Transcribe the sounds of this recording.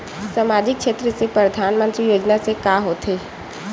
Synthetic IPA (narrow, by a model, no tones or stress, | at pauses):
səmaːd͡ʒɪk̚ʃʰeːt̪ɾəsepɾəd̪ʱaːnmə̃nt̪ɾijoːd͡ʒnasekaːɦoːt̪ʰeː